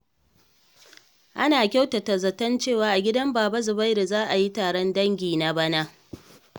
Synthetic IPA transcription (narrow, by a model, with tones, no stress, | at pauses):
ʔa˦naː˨kʲa˦wtɐ˨tɐ˨zɐ˨tɐ˦nt͡ʃeː˦˨waː˨ʔa˨ɡʲɪ˦dɐ˦mbaː˨bɐ˦zʊ˨ba˦jɾe˨zaː˦ʔa˨ji˦taː˨ɽɐ˦ndɐ˦ŋɡʲiː˨na˦ba˦na˦ʔ